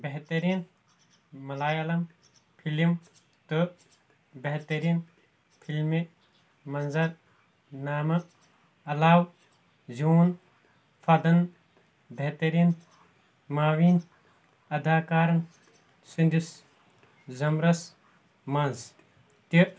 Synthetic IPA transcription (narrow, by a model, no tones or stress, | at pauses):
beɦt̪ɐɾiːn | mɐlaːjɐlɐm | pʰilim | t̪ɨ | beɦt̪ɐɾiːn | pʰilme | mɐnzɐɾ | naːmɐ | ɐlaːw | zuːn | fʰɐd̪ɐn | beɦt̪ɐɾiːn | maːwiːn | ɐd̪aːkaːɾɐn | sund̪is | zɐmɾɐs | mɐnz | t̪i